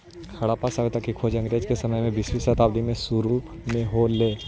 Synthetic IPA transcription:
kʰɐɽaːpasaʋet̪akikʰoːd͡ʒɐ̃ŋɡɾeːd͡ʒkesɐməjmẽbɪswisɐt̪aːbd̪imẽsuɾu | mẽɦoleː

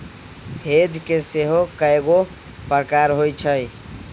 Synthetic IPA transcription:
hed̪ʱkeseɦokəeɡo | pɾkaɾɦojt͡ʃʰəj

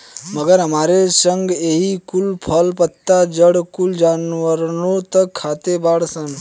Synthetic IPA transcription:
məɡəɾɦəmaɾesəŋɡeɦikulpʰəlpət̪ːad͡ʒəɽkuld͡ʒanʋəɾnot̪əkkʰːat̪ebaɽsən

